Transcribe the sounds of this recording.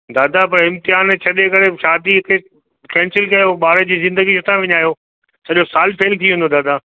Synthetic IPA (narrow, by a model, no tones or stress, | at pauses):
d̪aːd̪apɐɾɪ̃mt̪ɪɦaːnt͡ɕʰɐɗekɐɾeʃaːd̪iɪke | kɛ̃ːnsɪlkɐjoɓaːɾəd͡ʑiːzɪ̃nd̪əɡisɪt̪ʰãʋɪɲaːjoː | sɐʄosaːlpʰeːlt̪ʰiɦʊ̃nd̪oːd̪aːd̪aː